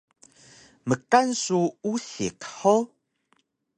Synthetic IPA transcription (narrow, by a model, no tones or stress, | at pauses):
məkansuuɬikħo